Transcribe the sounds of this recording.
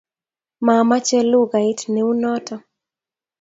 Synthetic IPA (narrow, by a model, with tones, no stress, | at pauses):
ma˨ma˦t͡ʃɛ˦lu˦ɡa˨ɪ˦tne˨u˦nɔ˦tɔ˦